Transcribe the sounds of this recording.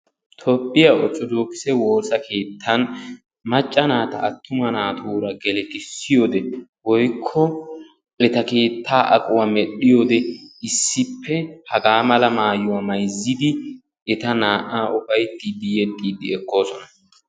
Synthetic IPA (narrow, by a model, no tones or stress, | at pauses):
t̪ʰopːɪjɐɔt͡ʃʼːɔd̪oːkːɪ̥sɛwo̞ːsɐkʰe̞ːt̪ʰːɐn | mɐt͡ʃʼːɐnaːt̪ɐːt̪ʰːʊmɐnaːt̪ʰuːɾɐɡɛlɛkʼɪsːɪjo̞ːd̪ɛwɔjkʰːɔ | ʔɛt̪ɐke̞ːt̪ːaːʔɐkʼʊwamɛɗɪjoːd̪ɛɪsːɪpʰːɛhɐɡaːmɐlɐmaːjʊwamɐjzːɪd̪ɪ | ɛt̪ɐnaːʔaːʔʊfɐjt̪ːiːd̪ːɪjɛt̪ʼːiːd̪ɪɛkːo̞ːsɔnɐ